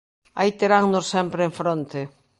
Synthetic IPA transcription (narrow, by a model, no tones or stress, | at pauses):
ajt̪eɾaŋnossɛmpɾeeɱfɾont̪e